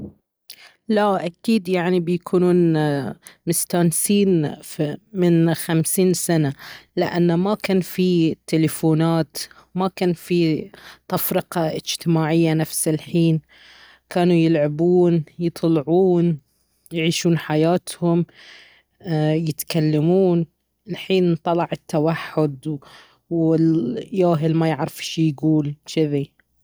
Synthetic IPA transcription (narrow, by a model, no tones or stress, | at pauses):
laʔakiːd̪jaʕnibɪjakʰuːnuːn | mɪst̪aːnsiːn | mɪnxamsiːnsanalɪʔanːamakaːnfit̪ːɪlɪfuːnaːt̪makaːnfit̪ˤɑfɾɪqɑʔɪd͡ʒt̪ɪmaːʕɪjːanafsɪlħiːn | kaːnujɪlʕabuːnjɨt̪ˤlʕuːn | jʕiːʃuːnħajaːt̪hʊm | jɪt̪kalːamuːn | ɪlħiːnt̪ˤːɑlɑʕɪt̪ːawaħːʊd̪ | wɪjaːɦɪlmajɪʕɾɪfʃijɡuːlʃɪði